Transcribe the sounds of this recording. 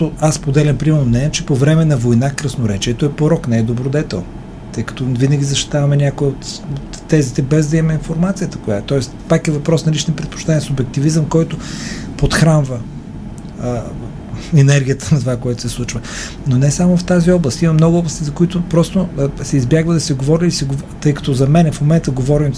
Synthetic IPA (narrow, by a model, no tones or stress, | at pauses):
oaspod̪ɛlʲɐmpɾimɛɾnonɛt͡ʃɛpovɾɛmɛnɐvojnakɾəsnoɾɛt͡ʃiɛt̪oɛpoɾɔknɛːd̪obɾod̪ɛt̪ɛ̰lˠn | t̪ɤjkɐ̥t̪ɔvinəɡʲizɐʃt̪i̥t̪avɐmɛnʲakʊɛot̪ot̪ːɛzit̪ɛbɛzd̪ɐimɛinfoɾmat̪sijət̪ə̥kʊjat̪ɔɛst̪pakɛvɐpɾɔsnɐlit͡ʃnipɾɛt̪̚po̥t͡ʃt̪anʲiəsʊbɛk̚t̪ivizəmkɔjt̪ʊ | pot̪xɾanvə | ɛnɛɾɡʲijət̪ənɐt̪ovakoɛt̪ʊ̥sɛslˠut͡ʃvɐ | nonɛsamʊft̪aziɔblˠəst̪imɐmnɔɡʊɔblˠəst̪izɐkʊit̪ʊpɾɔst̪osɛizbjaɡvəd̪ɐsɛɡovɔɾiːsɛɡot̪ɤjkɐ̥t̪ɔzɐmɛnɛfmomɛnt̪əɡovɔɾim